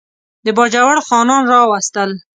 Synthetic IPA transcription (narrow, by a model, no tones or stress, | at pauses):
d̪əbɑd͡ʒawaɽxɑnɑnɾɑwast̪əl